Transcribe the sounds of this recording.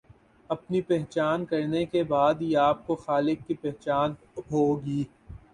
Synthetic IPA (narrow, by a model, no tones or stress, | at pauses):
ɐpnipɛɦt͡ʃaːnkɐɾnekebaːd̪iaːp̚koxaːlɪkːipɛɦt͡ʃaːn | ɦoːɡiː